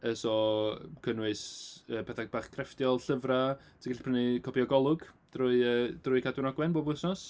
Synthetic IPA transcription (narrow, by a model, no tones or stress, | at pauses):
əsɔkʰənwɨsəːbɛθab̥aːχkʰrɛftjɔlˠɬəvra | tʰiɡɬpʰrənikʰɔpʰiɔɡɔlˠʊɡd̥rʊːɨəːd̥rʊɨkʰadwɪnɔɡwɛnboːbʊsnɔs